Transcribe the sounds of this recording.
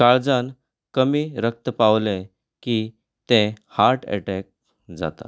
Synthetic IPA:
kaɭd͡zan | kəmiːɾək̚t̪əpaʋle | ki | t̪ẽhaɾʈʰɛ̰ʈɛk̚ | d͡za̰t̪a̰

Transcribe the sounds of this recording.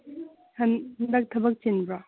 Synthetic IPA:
hɐnnd̪ɐk̚t̪ʰɐbɐk̚t͡ʃenbɾa

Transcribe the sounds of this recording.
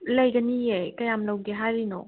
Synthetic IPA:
lɛjkənijɛkəjaməlõɡɛɦadinɔ

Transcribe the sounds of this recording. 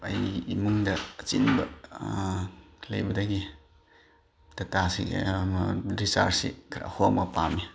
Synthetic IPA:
ɐjimuŋdɐːt͡ʃḭnbɐ | lɐ̰jbɐdɐɡi | dɐtasi | ɾisa̰ɾsḭkʰɾa̰homɐpami

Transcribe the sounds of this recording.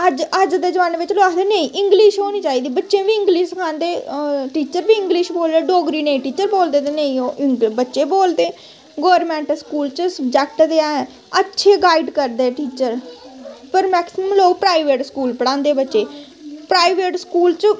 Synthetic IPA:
əd͡ʒəd͡ʒd̪eːd͡ʒəʋãːnʋɪt͡ʃloaːkd̪eːnəĩːʔɪŋɡliʃɦoːniːt͡ʃaːiːd̪iːbətːʃẽːʋiːɪ̃ŋɡliʃsəkʰãːnd̪eːʈiːt͡ʃəɾbiːɪ̃ŋɡlɪʃboːld̪eːɖoːɡɾiːneĩːʈiːt͡ʃəɾboːld̪eːt̪eːnəĩoːʔɪŋɡbətːʃeːboːld̪eː | ɡoːəɾmɛ̃ːɳʈəskuːlt͡ʃsəb̚d͡ʒɛːk̚ʈd̪eːãːɛ | ətːʃʰeːɡaːiɖkəɾd̪eːʈiːt͡ʃəɾ | pəɾmɛːksɪməmloːɡpɾaːiʋeːʈskuːlpəɽ̃ãːnd̪eːbətːʃeː | pɾaːiʋeːʈskuːlt͡ʃ

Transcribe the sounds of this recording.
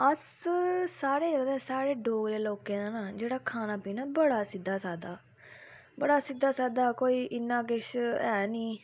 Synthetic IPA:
əssaːɾeːd͡ʒəɡd̪ɛːsaːɾeːɖoːɡɾeːloːkẽːd̪aːnaːd͡ʒeːɽaːkʰaːnaːpiːnaːbəɽaːsɪd̪ːaːsaːd̪aː | bəɽaːsɪd̪ːaːsaːd̪aːkoːiːʔɪnːãːkɪʃɛːniː

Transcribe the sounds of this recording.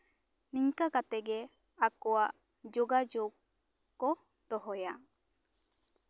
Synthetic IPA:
niŋkakat̪ɛɡɛ | akɔwaʔ | d͡ʒoɡad͡ʒoɡ̚ | kːɔ | d̪̥ɔɦɔja

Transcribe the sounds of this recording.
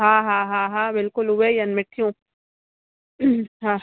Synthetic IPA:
ɦãːɦãːɦãɦãbɪlkʊlʊwejɐnmɪʈʰijũː | ɦã

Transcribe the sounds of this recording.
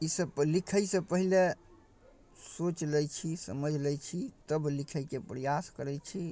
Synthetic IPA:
isəblikʰəjsəpəɦile | sot͡ʃləjt͡ʃʰisə̰məd͡ʒʱlɛjt͡ʃʰit̪əblikʰəjkepɾəjaskəɾɛjt͡ʃʰi

